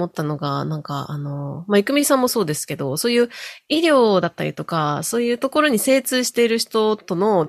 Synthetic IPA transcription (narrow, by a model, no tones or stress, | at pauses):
o̞t̪ːano̞ɡanãŋka̰ano̞maikɯ̟mʲisãmːo̞so̞ːd̪e̞sɨ̥ke̞d̪o̞so̞ːjɯ̟ːiɾʲjo̞ːd̪at̪ːaɾʲḭt̪o̞kaso̞ːjɯ̟ːt̪o̞ko̞ɾo̞ɲ̟ise̞ːt͡sɨːɕi̥t̪e̞iɾɯ̟çi̥t̪o̞t̪o̞no̞